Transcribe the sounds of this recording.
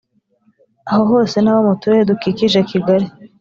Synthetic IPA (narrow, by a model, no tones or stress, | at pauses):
aɦoɦo̞ːse̞naβamutuedukikiʒakiɡaɾi